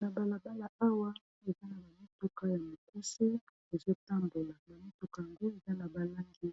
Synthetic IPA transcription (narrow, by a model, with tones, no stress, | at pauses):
na˨ba˨la˨ba˦la˨a˦wa˦ | e˨za˦na˨ma˨mi˦tu˨ka˦ja˨mo˨ku˦se˦ | e˨zo˦ta˦mbo˨la˨na˨mi˦tu˨ka˨˦ja˨ŋɡo˦e˨za˦na˨ba˨la˦ŋɡi˦